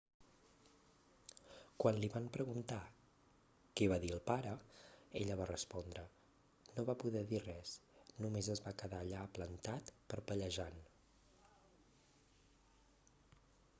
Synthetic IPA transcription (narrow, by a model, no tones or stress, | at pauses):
kwanliβampɾəɣunt̪a | kɛβaðiəlˠpaɾəeʎəβarəspɔnd̪ɾə | noβapuðɛðirɛsnumezəzβakəðaːʎaəplənt̪at̪pəɾpəʎəʒan